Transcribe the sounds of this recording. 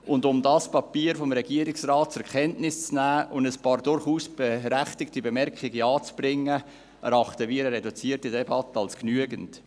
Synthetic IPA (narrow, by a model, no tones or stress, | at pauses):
ʊndʊmdɑspɑpiːəɾfɔmɾɛɡiəɾɪksrɑːt̚t͡sɛɾkɛntnɪst͡snæːʊndəspɑːɾdʊɾχuːsb̥eɾæχtɪktibemɛrkiɡiɑːt͡sb̥ɾɪŋːə | ɛ̰ɾɑχtəʋiːɾəɾɛdut͡siːərtidɛbɑtəɑlsknyəɡənt